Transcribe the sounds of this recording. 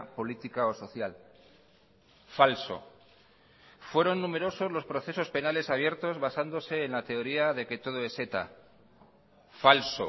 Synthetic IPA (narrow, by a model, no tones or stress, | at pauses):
po̞lit̪ikao̞so̞θjal | falso̞̰ | fwe̞ɾo̞nːume̞ɾo̞so̞zlo̞spɾo̞θe̞so̞spe̞nale̞saβ̞je̞ɾt̪o̞zβasand̪o̞se̞ːnlat̪e̞o̞ɾiaðe̞ke̞t̪o̞ð̞o̞e̞se̞t̪a̰ | falso̰